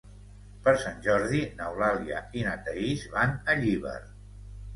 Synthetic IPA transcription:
pəɾsanʲʒɔɾðinəwlaliə̰inat̪əizβanəʎiβə̰ɾ

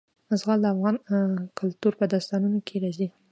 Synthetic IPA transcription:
əzɣɑld̪əafɣɑnkʰʊlt̪uɾpəd̪ɑst̪ɑnunokʰeɾɑzi

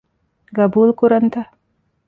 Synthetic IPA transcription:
ɡɐbuːlkuɾɐnt̪a

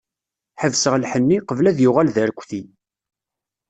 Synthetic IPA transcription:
ħəvsəʁlħənːiqəvlæðjʊʁælðəɾkʷːθi

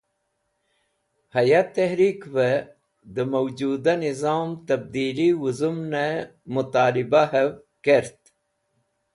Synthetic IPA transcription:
hɐjat̪ːɐɦɾiːkvə | d̪əmɐwd͡ʒuːd̪anizɑːmt̪ɐb̚d̪iːliwuzumnamut̪ɑːlibaɦɐv | keɾt̪

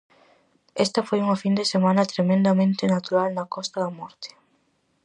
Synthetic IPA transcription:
ɛst̪ɐfojuŋɐfind̪esemãnɐt̪ɾemẽnd̪amẽnt̪ɪnat̪uɾalnɐkɔst̪ɐðɐmɔɾt̪ɪ̥

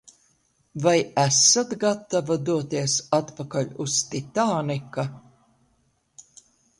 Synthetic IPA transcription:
vajæsat̪ɡat̪ːavad̪uɔt̪iɛsat̪pakalʲust̪it̪aːnika

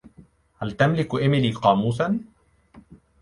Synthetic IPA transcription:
halt̪amlɪkʔɪmɪliːqɑːmuːsan

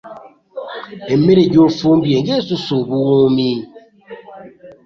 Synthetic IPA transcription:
emeɾeɟoːfuːmbjeɲɟesusuβuwuːmi

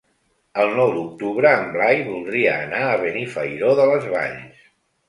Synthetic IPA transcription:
əlˠnɔwd̪uk̚t̪uβɾəːmblajβulˠd̪ɾiəːnaəβənifə̰jɾoðələzβa̰ʎs

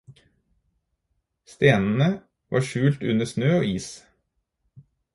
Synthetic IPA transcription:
st̪eːnn̩ə | ʋɑ̰ːʃʉːlt̪ʉnəsnøːoːiːs

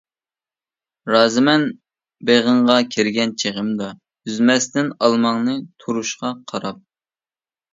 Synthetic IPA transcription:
ɾɑːzɨmɛn | beʁəɴʁɑkʲʰeɾɡʲɛnt͡ʃʰeʁəmd̪ɑ | yzmɛst̪ɪnɑlˠmɑŋnɨt̪ʰuɾuʃqɑqʰɑɾɑp̚

